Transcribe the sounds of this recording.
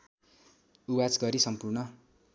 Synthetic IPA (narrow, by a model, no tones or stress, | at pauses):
uwad͡zɡʌɾisʌmpurnʌ